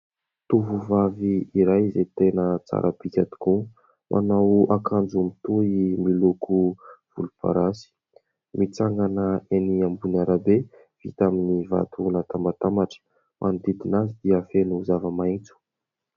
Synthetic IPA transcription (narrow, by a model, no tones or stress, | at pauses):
t̪uvuvaviiɾajzet̪enət͡sa̰ɾʔəpikʲat̪i̥ku | mʔa̰nawakand͡ʒumit̪uimilukʰuv̥ulupʰa̰ɾasi̥ | mit͡saŋɡanəeniambunaɾabe | v̥ḭt̪aminiva̰t̪ʰunat̪ambat̪amaʈ͡ʂə̥ | mʔand̪id̪inazid̪iafenuzavəmajt͡su̥